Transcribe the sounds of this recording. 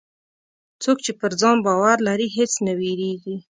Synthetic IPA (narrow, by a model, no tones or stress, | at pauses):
t͡sokt͡ʃepəɾd͡zɑnbɑwaɾlaɾiɦet͡snaweɾeɡi